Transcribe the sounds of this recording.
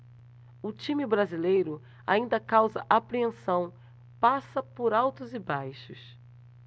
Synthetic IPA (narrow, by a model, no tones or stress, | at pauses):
ʊt͡ʃĩmɪbɾazilejɾʊ | a̰ĩnd̪ɐkawzɐ̰ʔapɾiẽsɐ̃w̃ | pasɐpʊɾawt̪ʊzɪbajʃʊ̰s